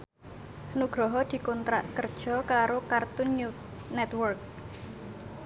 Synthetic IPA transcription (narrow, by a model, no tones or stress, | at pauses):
nuɡ̥ɾɔɦɔd̪̥i̤kɔnt̪ɾa̰ʔkərd̥ʒ̥ɔ̤kaɾokart̪ʊnu | nɛt̪wɔrk̚